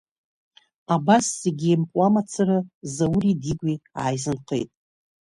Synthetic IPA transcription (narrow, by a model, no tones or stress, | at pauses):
abasːeɡʲiempʼwamat͡sʰɨrɨzawɾidiɡʷia̰ːjzɨnqʰḛjtʼ